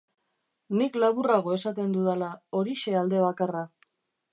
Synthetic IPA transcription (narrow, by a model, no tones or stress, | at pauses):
niklaβuraɣ̞o̞e̞sat̪e̞nd̪uðalao̞ɾiʃe̞ald̪e̞β̞akara